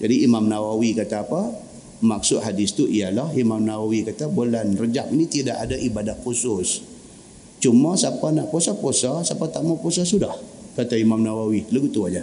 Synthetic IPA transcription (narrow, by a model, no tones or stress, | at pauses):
d͡ʒadiʔimamnawawikat̪aːpa | mak̚sʊt̪̚ɦadɪst̪uʔijalahimamnawawikat̪abolanrəd͡ʒak̚nit̪idaʔadaʔibadahkusʊs | t͡ʃumasapanaʔposaposasapat̪amaposasudahkat̪aimamnawawiləɡut̪uad͡ʒa